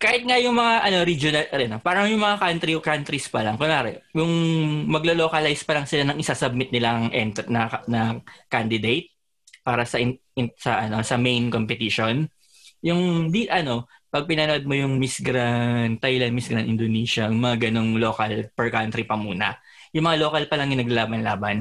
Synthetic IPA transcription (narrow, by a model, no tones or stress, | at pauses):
kaːhɪt̪̚ŋajʊŋmɐŋaʔɐno̞ɾid͡ʒonɐlɾɛnpaːɾɐŋjʊŋmɐŋakant̪ɾikant̪ɾispɐlɐŋkʊnaːɾɛjʊŋmɐɡlolo̞ːkɐlajspɐlɐŋsɪlanɐŋɪsasɐb̚mɪt̪̚nɪlaŋʔɛnt̪nɐnɐkand̪ɪd̪ejt̪̚ | paːɾɐsɐʔɪ | sɐʔɐno̞sɐmejnkompɛt̪iʃon | jʊŋd̪iɐno̞pɐɡ̚pɪnɐnoʔod̪̚mojʊŋmɪsɡɾant̪ːajlɐnmɪsɡɾanʔɪ̰nd̪oniːʃɐŋmɐŋaɡɐno̞ŋlo̞ːkɐlpɛɹkant̪ɾipɐmuːnɐ̰ | jʊŋmɐŋalo̞ːkɐlpɐlɐŋjɪnɐɡ̚lɐlaːbɐnlaːbɐn